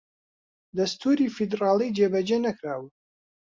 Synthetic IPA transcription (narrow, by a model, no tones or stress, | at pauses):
d̪ɐst̪ʰuːɾiːfid̪rɑːlˠijd͡ʒebɐd͡ʒenɐkɾaːwɨ